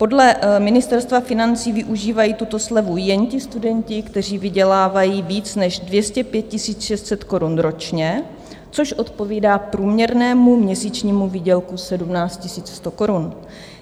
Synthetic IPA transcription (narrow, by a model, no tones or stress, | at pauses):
po̞dlɛmɪnɪst̪ɛɾst̪vafɪnant͡siːvɪʔuʒiːvajiːt̪ut̪o̞slɛvujɛncɪst̪udɛncɪkt̪ɛr̝iːvɪɟɛlaːvajiːviːt͡snɛʒdvjɛscɛpjɛt̪̚cɪsiːt͡sʃɛst̪sɛt̪ko̞ɾunɾo̞t͡ʃɲɛ | t͡so̞ʃʔo̞t̪po̞viːdaːpɾuːmɲɛɾnɛːmumɲɛsiːt͡ʃɲiːmuviːɟɛlkusɛdumnaːt͡st̪cɪsiːt͡sst̪o̞ko̞ɾun